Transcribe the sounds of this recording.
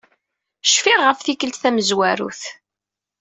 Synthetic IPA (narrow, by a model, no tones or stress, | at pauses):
ʃfiʁːəfθikəlt̪θæməzwæɾṵθ